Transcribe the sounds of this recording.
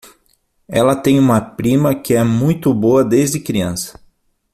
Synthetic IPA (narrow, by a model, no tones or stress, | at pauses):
ɛlɐt̪ẽj̃ũmɐpɾĩmɐkɪɛmũj̃t̪ʊboɐd̪ezd͡ʒɪkɾiɐ̃sɐ̥